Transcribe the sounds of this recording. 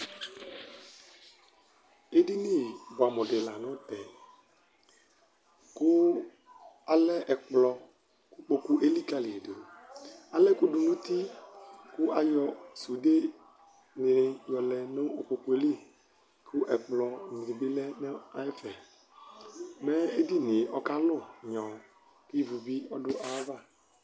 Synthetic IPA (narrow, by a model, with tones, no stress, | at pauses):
e˦di˦ni˦˨bɔ˨a˨mɔ˨de˨la˨nɔ̃˦t̪ɛ˨ | kʊ˦ | a˨lɛ˦ʔɛ˨k͡plɔ˨ | ku˦k͡po˦ku˦ʔe˦li˦ka˨li˨de˨a˨lɛ˦ku˦du˨nũ˦t̪i˦kʊ˦ʔa˨jɔ˨su˨de˦ | nɪ˨ɾɪ˨jɔ˨lɛ˨no˦o˨k͡po˨ku˨˦e˦li˦ | kʰʊ˦ʔɛ˨k͡plɔ˨ni˨ɾi˨bɪ˦lɛ˦nɛ˦a˨ɛ˦fɛ˨ | mɛ˦e˦di˦nɪ˨ɔ˦ka˦lʊ˦˨ɲɔ̃˨ | ki˦˨vu˨bi˦ɔ˦dʊ˦ʔa˦va˦˨